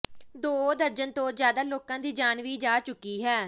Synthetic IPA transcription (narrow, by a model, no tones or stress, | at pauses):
d̪oːd̪əɾd͡ʒənt̪õːzjaːd̪aːloːkãːd̪iːd͡ʒaːnʋiːd͡ʒaːt͡ʃʊkːiːɦɛː